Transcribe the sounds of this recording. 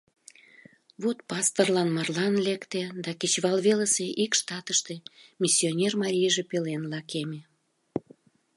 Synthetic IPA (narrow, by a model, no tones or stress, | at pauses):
βot̪pɑst̪ərlɑnmɑrlɑnlekt̪ed̪ɑket͡ɕβɑlβeləseʔikʃt̪ɑt̪əʃt̪e̽mʲisʲːionʲermɑɾʲijʒepelenlɑkeme